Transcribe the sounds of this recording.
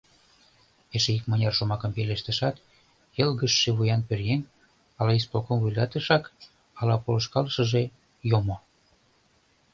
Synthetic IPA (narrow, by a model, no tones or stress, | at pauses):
eʃeikmɤnʲɑrʃomɑkɤ̆mpeleʃt̪ə̆ʃɑt̪ | jɤlɣəʃːeβujɑnpørjen | ɑlɑisplokomvujlɑt̪ə̆ʃɑk | ɑlɑpolə̆ʃkɑləʃə̆ʒe | jomo